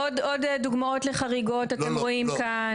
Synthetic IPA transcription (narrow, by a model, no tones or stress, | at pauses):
odo̞dduɡmao̞tle̞χaʁiɡo̞tate̞mʁo̞imka | n